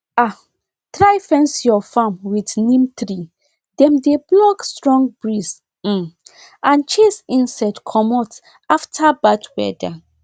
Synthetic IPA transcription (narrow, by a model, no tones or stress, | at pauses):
a | tɹajfɛ̃nsjɔfãmwidnĩmtɾi | dɛ̃mdeblɔkstɹɔ̃ŋɡ̚bɹis | m̩ | ʔãnt͡ʃesĩnsaɪdkʰɔmɔt | aftʰabadwɛ̰da